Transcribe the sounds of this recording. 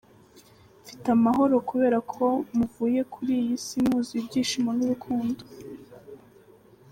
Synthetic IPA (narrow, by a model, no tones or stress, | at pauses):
fi̥tamaɦo̞ɾo̞kuβe̞ːɾakʰo̞muvuːje̞kʰuɾijisimhuːziubɟiːʃimonuɾukʰuːndo